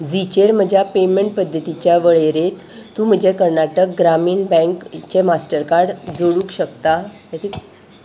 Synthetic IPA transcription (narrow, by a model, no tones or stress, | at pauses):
d͡zit͡ɕeɾm̤əd͡ʑʱjapemeɳʈ̚pəd̪ʱːət̪it͡ɕjaʋəɭeɾet̪ː | ũm̤əd͡ʑekəɾɳaʈək̚ɡɾamiːɳbɛ̃ŋkt͡ɕemasʈəɾkaɾɖd͡zoɽũːkɕəkt̪ajat̪i